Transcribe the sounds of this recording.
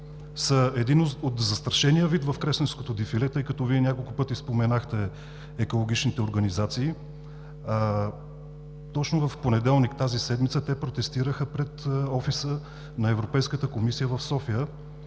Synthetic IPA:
səɛd̪inoot̪zɐst̪ɾɐʃɛnijəvit̪vɐfkɾɛslɛnskot̪od̪ifilɛt̪ɤjkɐt̪ɔviɛnʲakolˠkʊpɤt̪ispomɛnaxt̪ɛː | kolˠoɡ̟it͡ʃnit̪ɛoɾɡənizat̪siː | t̪ɔt͡ʃnovəfponɛd̪ɛlˠnikt̪azisɛd̪mit̪sət̪ɛpɾot̪ɛst̪iɾəxəpɾɛt̪ɔfisə | nɐɛvɾopɛjskət̪əkomisijəvɐfsɔfijə

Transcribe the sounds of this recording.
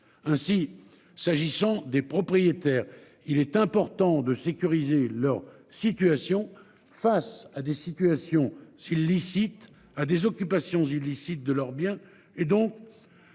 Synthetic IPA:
ɛ̃si | saʒisɑ̃d̪epχɔpχijet̪ɛːʁ | ilɛt̪ɛ̃pɔʁt̪ɑ̃d̪əsekʲyʁizelœʁ | sit̪ɥasjɔ̃ | fasad̪esit̪yasjɔ̃zilːisit̪ | ad̪ezɔkʲypasjɔ̃zilisit̪̚d̪əlœʁbjɛ̃ | ed̪ɔ̃k

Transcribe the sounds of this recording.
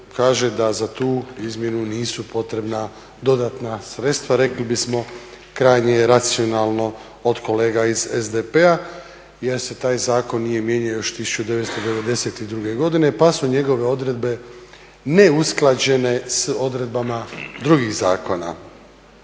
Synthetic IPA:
kaːʒe̞d̪azat̪uːizmje̞nuniːsupo̞t̪ɾe̞bna | d̪o̞d̪at̪nasɾe̞t̪st̪ʋaɾe̞klibismo̞ | kɾaːjɲejeɾat̪sio̞naːlˠno̞ | od̪kʰo̞le̞ːɡaizezd̪epea | jeɾse̞t̪aːjzaːko̞nːije̞mje̞ɲajo̞ʃt̪isu̥t͡ʃud̪e̞ʋest̪o̞d̪e̞ʋe̞d̪e̞se̞t̪id̪ɾuɡe̞ɡo̞d̪ine̞pasuɲe̞ɡo̞ʋe̞o̞d̪ɾe̞d̪be̞ | ne̞usklˠad͡ʑe̞ne̞so̞d̪ɾe̞d̪̚bamad̪ɾuɡiɣzaːko̞na̰

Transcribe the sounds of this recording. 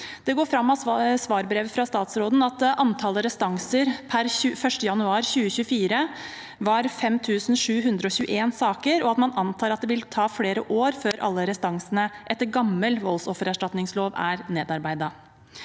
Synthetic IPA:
d̪̥ɛɡoːɾfɾɑmːɑsʋɑːɾbɾeːʋfɾɑst̪ɑːt̪sɾoːd̪n̩ɑt̪ʔɑnt̪ʰɑːləɾɛst̪ɑŋsəɾpʰæɾʉːfœʂʈəjɑnʉɑːɾçʉːəçʉːfiːɾə | ʋɑɾfɛmt̪ʰʉːsn̩ʂʉːɦʉnd̪ɾəɔɕʉːə̰ʔeːnsɑːkəɾɔɑt̪mɑnɑnt̪ʰɑːɾɑt̪̚d̪ɛʋɪlt̪ʰɑːfleːɾəʔoːɾføːɾʔɑ̰lːəɾɛst̪ɑŋsənəʔɛt̪ːəɾɡɑmːəlʋɔlsɔfəɾæʂʈɑt̪nɪŋsloːʋæ̰ɾneːd̪ɑɾbæɪd̪ɑ

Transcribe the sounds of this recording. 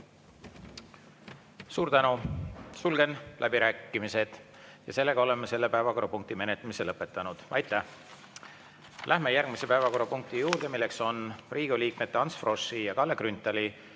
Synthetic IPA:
suːɾt̪ænusulɡ̥e̞nlʔæbiɾæːkˑːimise̞d̪̥ | jɑse̞lːe̞ɡ̥ɑo̞le̞mːese̞lːe̞pæevɑko̞ɾɑpuŋk̚t̪ime̞net̪ːˑɑmiselɤpːˑe̞t̪ːˑɑnud̪̥ɑjt̪ːˑæh | lʔæhme̞jærɡ̥mise̞pæevɑko̞ɾɑpuŋk̚t̪ijuːrd̪̥e̞milːe̞kso̞nriːɡ̥uliːk̚met̪ːeɑnsfro̞sːijɑkɑlːekrynt̪ːˑɑli

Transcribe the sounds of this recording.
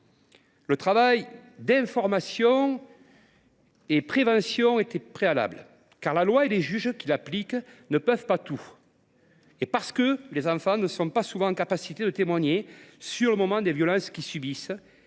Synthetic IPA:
lət̪χavajd̪ɛ̃fɔʁmasjɔ̃ | epχevɑ̃sjɔ̃et̪ɛpχeala̰blə | kaʁlalwaeleʒyʒkʲilapliknəpœvpat̪u | epaʁsə̥kəlezɑ̃fɑ̃nəsɔ̃pasuvɑ̃ɑ̃kapasit̪ed̪ət̪emwaɲesyʁləmɔmɑ̃d̪evjɔlɑ̃skʲisybis

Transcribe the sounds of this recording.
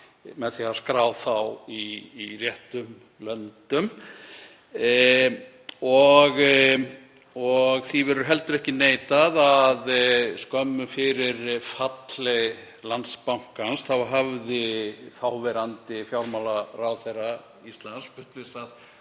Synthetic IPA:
mɛðθiaskɾaːwθawirjɛht̪ʏm | lœnt̪ʏm | ɔɣ | ɔɣθivɛɾʏɾɦɛlt̪ʏɾɛhcɪneːjt̪aðaðskœmːʏfɪɾɪɾfat̪lɛɣ | lant̪spawŋ̥kansθawɦavðɪθawvɛɾant̪ɪfjawɾmawlarawθejrːa | ist̪lanspʏht̪vɪsað

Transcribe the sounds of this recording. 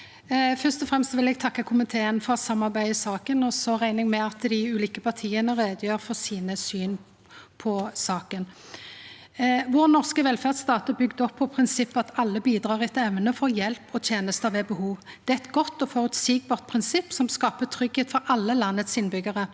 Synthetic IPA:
fœʁst̪ɔfʁɛmst̪ʋɪlɛɡ̚t̪ʰɑkːəkʰʊmɪt̪ʰeːənfɔsɑmːɑʁbæɪɪsɑːkənɔsɔʁæɪnɪŋmɛɑt̪d̪ɪʉːliːkəpʰɑʁt̪ʰiːənəʁeːd̪əjøːɾfɔʁsiːnəsyːn | pʰɔsɑːkən | ʋɔʁnɔʁskəʋɛlfæʁd̪st̪ɑːt̪əbʏɡd̪əɔpʰːɔpʰʁɪnsɪpːɑt̪ɑlːəbiːd̪ʁɑːʁɪɛt̪ɛʋnəfɔʁjɛlpɔt̪ʰjeːnəst̪ɑʋɛbəhuːʋd̪̥ɛːæɛt̪ɡɔt̪ːɔfɔʁʉt̪siɡ̚bɑːʁt̪̚pʰʁɪnsɪpːsɔmskɑːpət̪ʰɾʏɡheːt̪fɔɾʔɑlːəlɑnːət̪sɪnbʏɡəʁə

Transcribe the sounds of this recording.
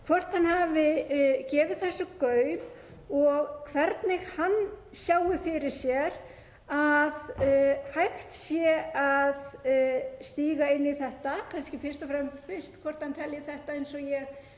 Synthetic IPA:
kʰvɔr̥t̪hanhaːvɪcɛːvɪðθɛsːʏkœɥm | ɔɣkʰvɛɾt̪nɪɣhanː | sjaːwɪfɪɾɪɾ̥sjɛɾ | aðhajxt̪sjɛað | st̪iːɣaɪnːiθɛht̪akʰanscɪfɪr̥st̪ɔfɾɛmːfɪ̥st̪kʰvɔrt̪hant̪ʰɛljɪθɛht̪aejnsɔjɛɣ

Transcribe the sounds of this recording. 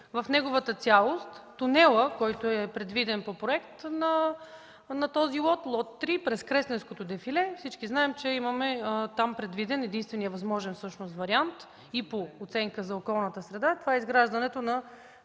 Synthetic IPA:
vɐfnɛɡʊvət̪ət̪sʲjalˠost̪ːʊnɛlˠəkɔjt̪oɛpɾɛd̪vid̪ɛnpopɾoɛkt̪nɐ | nɐt̪ɔzilˠɔt̪lˠɔt̪ːɾipɾɛskɾɛst̪ɛnskot̪od̪ɛfilɛfsit͡ʃkiznaɛmt͡ʃɛimɐmɛt̪ampɾɛd̪vid̪ɛnɛd̪inst̪vɛnijəvɐzmɔʒɛnfsɤʃnos̬t̪vɐɾiant̪ | ipoːt̪sɛŋkəzɐokɔlˠnət̪əsɾɛd̪at̪ovaɛizɡɾaʒd̪ɐnɛt̪onɐ

